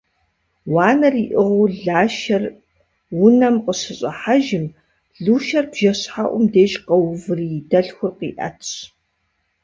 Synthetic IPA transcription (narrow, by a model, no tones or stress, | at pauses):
wɑːnɐriːʔɪʁʊɮaːʃɐr | wʊnɐmqəɕɨɕʼɐħaʒɪm | ɮuːʃɐrbʒ̥ɐɕħaʔʷʊmdeːʒqɐwvɨridɐɬxʷʊrqḭːʔɐ̰tʰɕ